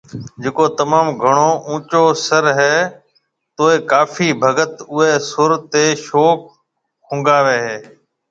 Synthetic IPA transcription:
d͡ʒeːkoːt̪əmaːmɡʱəɳ̃oːʔũːt͡ʃoːsəɾɦɛː | t̪oːeːkaːfʰiːbʱəɡət̪ʊeːsʊɾt̪eːʃoːk̚ː | ʊ̃ːŋɡaːʋeːɦeː

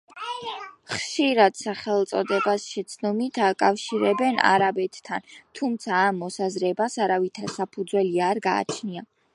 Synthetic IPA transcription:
χʃiɾad̪̥saχɛlˠt̪sʼɔd̪ɛbasʃɛt̪sʰnɔmit̪ʰakʼafʃiɾɛbɛna̰ɾabɛt̪ːʰant̪ʰumt̪sʰaːmːɔsazɾɛbasaɾavit̪ʰɾɛsapʰud̪zwɛliaɾɡa̰ːt͡ʃʰnia

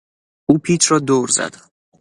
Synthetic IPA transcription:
uːpʰiːt̪ʰɾɒːd̪oɾzæ̰d̪̥

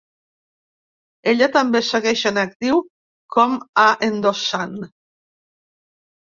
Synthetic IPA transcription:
eʎat̪ambeseɣɛʃanak̚t̪iw | kʰɔmaʔend̪osan

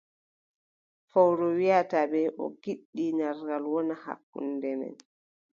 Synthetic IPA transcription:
fɔwɾɔwijatabɛʔɔ̰ɡiɗːinaɾɡalwɔnaha̰kːṵndɛmɛ̰n

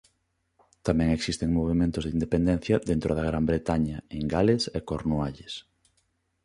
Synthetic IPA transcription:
t̪amɛ̃ŋeksist̪eŋmoβ̞emẽnt̪ʊzðind̪epend̪ɛ̃n̟θjɐðent̪ɾʔoðaɣɾambɾet̪aɲɐeŋɡalesekoɾnuaʎes

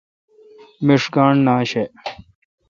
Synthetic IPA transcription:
miʂkaːɳnaːɕe

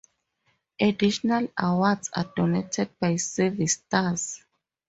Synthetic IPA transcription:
ʔadiʃɔnalawadsa̰dɔnetʰɛd̚bajsɛvistaz

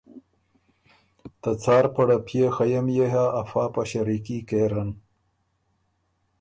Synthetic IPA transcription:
t̪ɐt͡sɑːɾpɐɽapʰjexɐjɐmjeɦaʔːfaːpaɕɐɾikikeːɾɐn

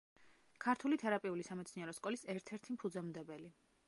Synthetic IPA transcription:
kʰaɾt̪ʰulit̪ʰɛɾapʼiulisamɛt̪sniɛɾɔskʼɔlisɛɾt̪ʰɛɾt̪ʰimpʰud̪zɔmd̪ɛbɛli

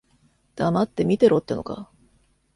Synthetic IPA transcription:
d̪̥amat̪ːe̞mʲit̪e̞ɾʔo̞t̪ːeno̞̰ka̰

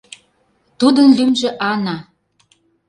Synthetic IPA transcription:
t̪ud̪ənlymʒĕʔɑnɑ

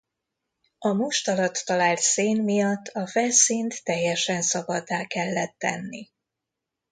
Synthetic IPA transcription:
ɒmuʃt̪ɒlɒt̪ːɒlaːlt̪seːnmijɒt̪ːɒfɛlsint̪ːɛjːɛʃɛnsɒbɒd̪ːaːkɛlːɛt̪ːɛ̰nːi

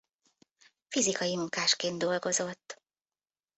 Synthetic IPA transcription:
fizikɒjimuŋkaːʃkeːnd̪o̞lɡo̞zo̞t̪ː

